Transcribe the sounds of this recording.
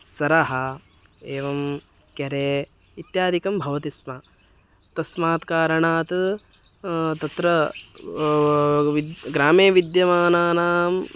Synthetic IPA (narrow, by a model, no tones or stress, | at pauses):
sɐɾɐɦɐ | eːʋɐm | kjɐɾeː | it̪jaːd̪ʱikɐmbʱɐʋɐt̪ismɐ | t̪ɐsmaːt̪kaːɾɐɳaːt̪ | t̪ɐt̪ɾɐ | ʋiɡɾaːmeːʋid̪jɐmaːnaːnaːm